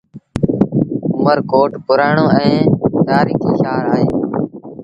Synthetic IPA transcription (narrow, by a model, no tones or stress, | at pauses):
ʊməɾkoːʈpʊɾaːɳoːɛ̃ːt̪aːɾiːkiːʃaːɾaːɦeː